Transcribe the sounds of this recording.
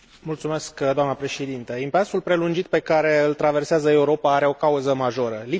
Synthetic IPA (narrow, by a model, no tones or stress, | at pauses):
mult̪sume̞skd̪oamnəpɾe̞ʃed̪int̪əimpeasulpɾe̞lund͡ʒit̪̚pe̞kaɾe̞ɨlt̪ɾave̞rseazəe̞uɾo̞paaɾe̞o̞kauzəmaʒo̞ɾəli